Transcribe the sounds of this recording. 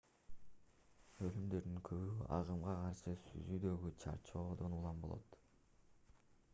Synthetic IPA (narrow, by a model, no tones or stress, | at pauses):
ø̞lymd̪ø̞ɾd̪yŋkʰøβyɑ̰ʁɯmʁɑqʰɑɾʃɯsy̰zyd̪ø̞ɡyt͡ʃʰɑ̰ɾt͡ʃo̞ːd̪o̞nulˠɑmbo̞̰lˠo̰t̪